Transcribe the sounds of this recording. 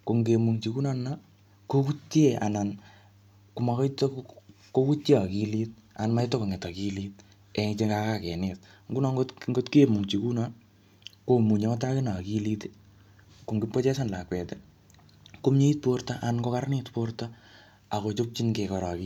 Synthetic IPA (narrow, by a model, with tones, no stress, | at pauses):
ko˨ŋɡe˨mu˨ŋt͡ʃiku˦na˦na | ko˦ku˦tje˦ʔa̰˨na˨n | ku˨ma˨kɔ˦ito˦k | ko˦ku˦tːi˦a˨ki˧liːt̚ | a˨nma˦jto˦ko˨ŋɛ˨ta˨ki˦lit̚ | ɛ˨ŋt͡ʃe˦ŋɡakakɛ˨nɪt̚ | ŋɡu˦nɔ˦ŋɡo˦tŋɡo˦tke˨mu˨ŋt͡ʃi˨ku˦na | ko˨mu˨ɲe˨ma˦t̬a˦kɪ˦na˨ki˦li˦ti̥˦ | ko˨ŋɡɪ˦pːo˦t͡ʃɛ˦sa˦nla˨kwɛ˨te | ko˦mɲe˦i˦t̚po˦rtaʔa˨nko˦ka˦ɾnɪtporta˦ | a˨ko˨t͡ʃo˦k̚t͡ʃi˦nke˨kɔ˨ɾɔ˨ki